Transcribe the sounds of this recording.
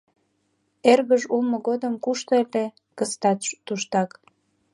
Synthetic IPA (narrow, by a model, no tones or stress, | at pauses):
erβəʒulˠmŏɣod̪əmkuʃt̪ele | kəst̪ɑt̪t̪ːuʃt̪ɑk